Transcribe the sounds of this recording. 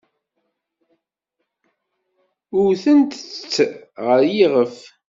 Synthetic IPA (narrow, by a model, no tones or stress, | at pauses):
ʊɾθənt̪ət͡st͡sːʁəɾjiʁəf